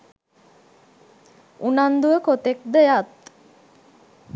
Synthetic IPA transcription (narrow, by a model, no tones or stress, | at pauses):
unand̪uəkot̪ek̚d̪ejat̪